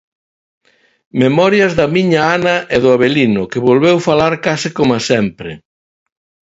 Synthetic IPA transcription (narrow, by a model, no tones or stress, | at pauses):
memɔɾjɐzðɐmiɲaanɐʔeðʊaβ̞elinʊkɪβolβewfalaɾkasɪkomasɛmpɾɪ